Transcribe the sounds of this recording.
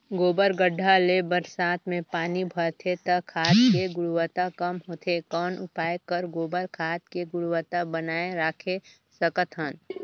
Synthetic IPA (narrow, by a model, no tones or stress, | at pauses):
ɡoːbəɾɡəɖʱːalebəɾsaːt̪mẽpaːnibʱəɽt̪ʰet̪ɐkʰaːt̪keɡʊɽʊwət̪akəmɦoːt̪ʰekɔːnʊpaːekəɾɡoːbəɾkʰaːt̪keɡʊɽʊwət̪abənaːẽɾaːkʰe | səkət̪ʰɦən